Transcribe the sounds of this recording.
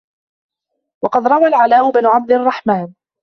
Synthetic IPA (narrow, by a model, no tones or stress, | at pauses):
wɑqɑd̪ɾˤɑwalʕalaːʔʊbnʊʕab̚d̪ɪɑrˤːɑħmaːn